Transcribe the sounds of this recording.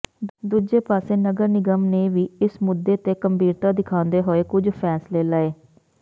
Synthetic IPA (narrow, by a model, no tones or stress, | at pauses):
d̪uːd͡ʒeːpaːseːnəɡəɾnɪɡəmneːʋiːɪsmʊd̪ːeːt̪eːkəmbiːɾt̪aːd̪ɪkʰãːnd̪eːɦoːeːkʊd͡ʒpʰɛːsleːləːeː